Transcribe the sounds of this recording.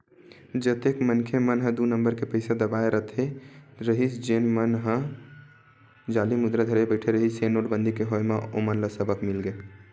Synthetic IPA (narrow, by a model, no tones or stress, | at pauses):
d͡ʒət̪ekmənkʰemənɦə̃d̪unəmbəɾkepəɪsad̪əbaeɾʔət̪ʰeɾəɦit͡ʃd͡ʒenmənɦə̃ | d͡ʒalimud̪ɾad̪ʱəɾebəɪʈʰeɾəɦit͡ʃenːoʈbə̃nd̪ʱikeɦoemeomənləsəbəkmilɡe